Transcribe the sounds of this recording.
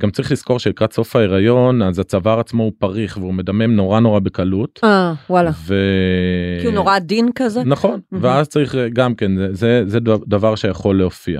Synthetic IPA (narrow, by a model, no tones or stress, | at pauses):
ɡamt͡saʁiχlisko̞ʁʃelikʁatso̞faeʁajo̞nazat͡savaʁat͡smoupaʁiχveume̞dame̞mno̞ʁano̞ʁabekalutawalave | kiunoʁad̪inkazenaχo̞nveazt͡saʁiχɡamke̞nzezezed̪avaʁʃejaχo̞lːeofia̰